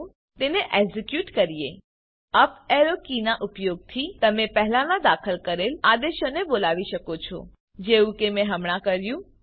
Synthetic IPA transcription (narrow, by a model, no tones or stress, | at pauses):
t̪eneʔeɡzɪkjuʈkəɾie | əpɛɾokinaʔʊpjoɡ̚t̪ʰit̪əmepəɦlãnãd̪akʰəlkəɾelad̪eʃonebolaʋiʃəkot͡ʃʰo̰ | d͡ʒeũkemɛ̃ɦəmɽ̃ãkəɾjũ